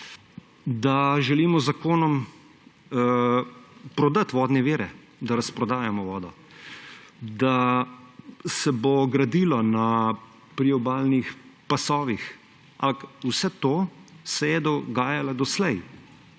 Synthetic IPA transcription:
d̪aʒɛliːmɔzakoːnɔm | ə | pɾɔd̪at̪ʋɔːd̪nɛʋiːɾɛ | d̪aɾɐspɾɔd̪aːjamɔʋɔːd̪ɔ | d̪a | sɛboɡɾad̪iːlɔna | pɾiɔbaːlnixpasɔːʋix | a̰mpakusɛt̪oːsɛjɛd̪ɔɡaːjalad̪ɔslɛj

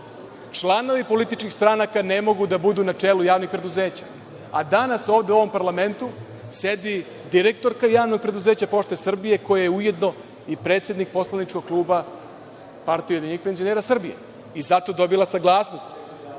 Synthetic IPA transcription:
t͡ʂlˠano̞ʋipo̞lit̪it͡ʃkixst̪ɾanakanemo̞ɡud̪abud̪unat͡ʂelujaːʋnixpɾe̞d̪uzeːt͡ɕa̰ | ad̪anaso̞ːʋd̪euo̞ʋo̞mpaɾlame̞nt̪u | sed̪i | d̪iɾek̚t̪o̞ɾkajaːʋno̞ɡ̚pɾe̞d̪uze̞ːt͡ɕapo̞ʃt̪esr̩bije̞ko̞jajeuje̞d̪no̞ | ipɾe̞ːt̪sje̞d̪nik̚po̞slˠanit͡ʂko̞ɡ̚klˠuːba | paɾt̪ijojd̪iɲixpe̞nzio̞neːɾasr̩bijḛ | izat̪o̞d̪o̞bilasaɡlˠaːsno̞st̪

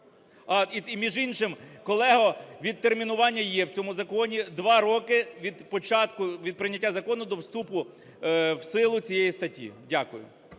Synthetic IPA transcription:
ɑiimʲiʒinʃɪmkɔlˠɛɦɔʋʲid̪̚t̪ermʲinʊʋɑnʲːɐjɛwt͡sʲɔmʊzɐkɔnʲid̪ʋɑɾɔkɪʋʲid̪pɔt͡ʃɑt̪kʊʋʲid̪̚pɾɪnʲɐtʲːazɐkɔnʊd̪ɔwst̪upʊ | wsɪlˠʊt͡sʲijɛjist̪ɐtʲːḭdʲakʊjʊ̰

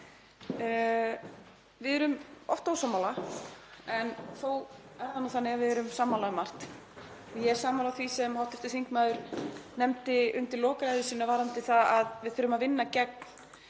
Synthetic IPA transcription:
vɪðɛɾʏmɔ̰ft̪aawsaːmːaːla | ɛnθoːw | ɛɾðanuθanːɪɣaðvɪðɛɾʏmsamːalamar̥t̪ | jɛ̥saːmalaθvisɛmhawht̪ʏft̪ɪθiŋkmaːðʏɾ̥nɛmt̪ɪʏnt̪ɪlɔːkaɾajðʏsiːnːavaːɾant̪ɪθaaðvɪðθfʏɾːʏmaðvɪnːacɛk̚n̥

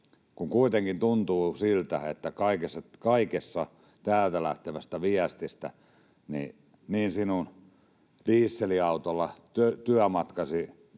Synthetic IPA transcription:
kuŋkuit̪eŋkint̪unt̪uːsilt̪æ̰et̪ːækɑikesːɑkɑikesːɑ | t̪æːlt̪ælæ̰ht̪eʋæst̪æʋiæst̪ist̪æ̰ | nḭ | niːnsinun | d̥iːsːeliɑut̪olːɑt̪øt̪yæmɑt̪kɑsi

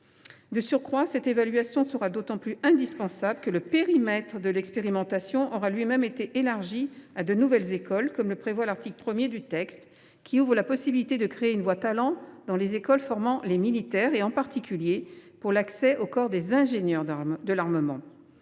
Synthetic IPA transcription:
d̪əsyʁkχwasɛt̪evalɥasjɔ̃səʁad̪ot̪ɑ̃plyɛ̃d̪ispɑ̃sabləkələpeʁimɛt̪χəd̪əlɛkspeʁimɑ̃t̪asjɔ̃ʔɔʁalɥimɛmet̪eʔelaʁʒiad̪ənuvɛlzekɔlkɔmləpχevwalaʁt̪ikləpχəmjed̪yt̪ɛkst̪ | kʲiuvʁəlapɔsibilit̪ed̪əkχeːynvwat̪alɑ̃d̪̥ɑ̃lezekɔlfɔʁmɑ̃lemilit̪ɛʁeɑ̃paʁt̪ikʲyljepuʁlaksɛʔokɔʁd̪ezɛ̃ʒenjœʁd̪əlaʁməmɑ̰̃

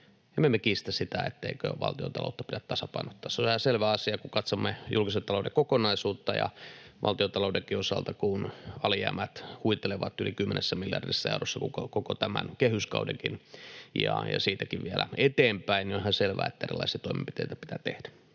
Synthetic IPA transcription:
emːemːekiːst̪æsit̪æḛt̪ːeikø̰ʋɑ̰lt̪io̰t̪ɑ̰lo̰ˑut̪ːɑ̥pidæt̪t̪ɑsɑpɑinot̪ːɑːsːolhɑselʋæːɑsiɑkukɑt̪somːejulkiselt̪ɑloudekokonɑisuːt̪ːɑjɑ̰ʋʔɑ̰lt̪iot̪ɑloˑudekiosɑlt̪ɑkunɑlijæ̰ːmæt̪huit̪eleʋɑt̪ːylikymːenesːæmiljɑ̰rdisːæḛurosːɑkukokokot̪æmæ̰nkehyskɑ̰udḛŋkinjɑ̰jɑ̰siːt̪ækiʋʋiælæ̰et̪eːmpæinniohɑselʋæ̰ːet̪ːæerilːˑɑ̰isiɑt̪oimḛmpi̥t̪eˑit̪æpit̪æːt̪ḛhd̥æ

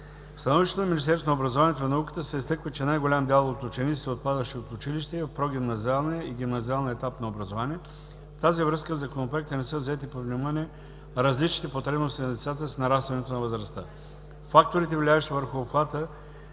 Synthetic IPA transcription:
st̪ɐnɔviʃt̪ɛt̪onɐmʲinist̪ɛɾsonobɾɐzovanijɛt̪onɐukə̥t̪əsɛist̪ɤkvət͡ʃɛnajɡolʲamd̪ɛlˠot̪ʊt͡ʃɛnit̪si̥t̪ɛot̪̚pad̪əʃt̪iot̪ʊt͡ʃiliʃt̪ɛivɐfpɾoɡ̟ʲimnɐzialˠnijəiɡ̟ʲimnɐzialˠniəɛt̪apnɐobɾɐzovaniɛ | ft̪azivɾɤskəvzɐkonopɾoɛk̚t̪ənɛsəvzɛt̪ipovnimaniɛ | ɾɐzlit͡ʃnit̪ɛpot̪ɾɛbnost̪inɐd̪ɛt̪sat̪əsnɐɾast̪vɐnɛt̪onɐvəzɾɐst̪ə | fak̚t̪oɾit̪ɛvlʲavɛʃt̪ivəɾxʊːpxvat̪ə

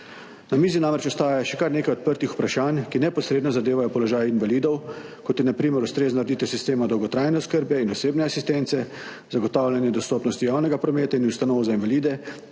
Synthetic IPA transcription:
namiːzinamɾɛt͡ʃɔst̪aːjajaʃɛkaɾneːkajɔt̪pəɾt̪ixu̥pɾaʃaːnkinɛpɔsɾeːd̪nɔzad̪eːʋajɔpɔlɔʒaːjinʋalid̪ɔwkɔt̪jɛnapɾiːməɾust̪ɾeːznɔɾɛd̪it̪ɛwsist̪eːmad̪ɔwɡɔt̪ɾaːjnɛɔskəɾbɛinɔseːbnɛasist̪ɛnt̪sɛ | zaɡɔt̪aːwlʲjanjɛd̪ɔst̪oːpnɔst̪ijawnɛɡapɾɔmeːt̪ainust̪anɔːwzainʋaliːd̪ɛ

